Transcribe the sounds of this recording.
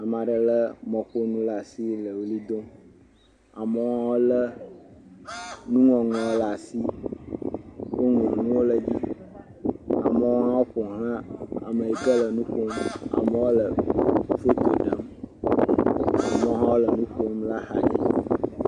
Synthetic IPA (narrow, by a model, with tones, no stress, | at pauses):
a˨m˨a˨ɖə˨lə˦mɔ̃˨ɸo˦nũ˦la˨si˦lə˨wli˦d̪o˦ | a˨mə˨˦o˦ɦã˦wo˦lə˦ | nũ˦ŋɔ̃˨ŋɔ̃˨˦la˨si˦ | wʔo˦ŋ˨o˨nũ˦wo˦lə˨d͡ʑi˦ | a̰˨mə˦wo˦ɦã˦wo˦ɸo˨ɦl̃ã˦a̰˨mə˨i˨ɡə˦lə˨nũ˦ɸo˦ma̰˨mə˨wo˦lə˨fo˦t̪o˨ɖə˦m | a̰˨mə˨o˦ɦã˦wo˦lə˨nũ˦ɸo˦mla˦ha̰˨ɲḭ˦